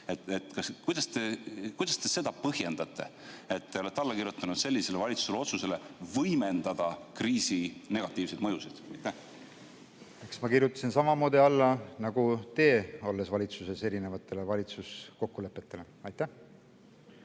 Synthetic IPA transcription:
et̪et̪ːˑkɑskujd̪ɑst̪ekujd̪̥ɑst̪e̞se̞d̪̥ɑpɤhje̞nd̪̥ɑt̪ːˑe̞̰ | et̪ːe̞o̞le̞t̪ːɑlːɑkiɾjut̪ːˑɑnud̪̥se̞lːise̞levɑlʲit̪su̥selo̞t̪suse̞levɤjmend̪̥ɑd̪̥ɑkriːsine̞ɡ̥ɑt̪ːˑiːvsed̪̥mɤjusid̪̥ɑjt̪ːæ | eksmɑkirjut̪ːˑɑ̥sinsɑmɑmo̞ːd̪iɑlːɑnɑɡ̥ut̪e̞ːo̞lːesvɑlʲit̪suse̞se̞ɾine̞vɑt̪ːˑe̞le̞vɑlʲit̪susko̞kːule̞pːˑe̞t̪ːˑe̞le̞ | ɑjt̪ːæh

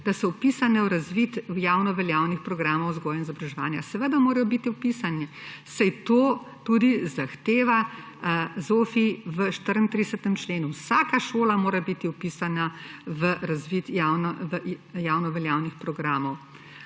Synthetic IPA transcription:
d̪̥asɔwpisanɛwɾazʋit̪jawnɔʋɛljaːwnixpɾɔɡɾaːmɔwzɡɔːjainizɔbɾaʒɛʋa̰ːnjasɛʋəd̪amoːɾɐjɔbit̪iupisanɛsajt̪oː | t̪ud̪izaxt̪eːʋa | zoːfiʋəʃt̪əɾənt̪ɾisət̪əmt͡ʃleːnuwsaːkaʃoːlamoːɾabit̪iupiːsanaʋəɾazʋit̪jawnəjaːwnɔʋɛljaːwnixpɾɔɡɾaːmɔw

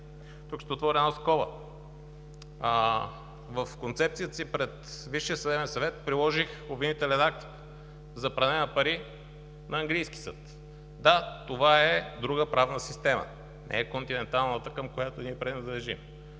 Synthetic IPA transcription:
t̪ukʃt̪ɛot̪vɔɾɛnaskɔlˠə̰ | vəfkont̪sɛp̚t̪sijət̪ə̥sipɾɛt̪viʃːiəsəd̪ɛbɛnsɐvɛt̪̚pɾilˠɔʒixobvinit̪ɛlɛnak̚t̪k | zɐpɾɐnɛnɐpɐɾi | nɐːŋɡlijsk̟i̥sɤ̰t̪ | d̪at̪ovaɛd̪ɾuɡəpɾavnəsist̪ɛmə̰ | nʔɛ̰ɛkont̪inɛnt̪alˠnət̪əkəmkojat̪oniɛpɾɛinɐd̪lɛʒim

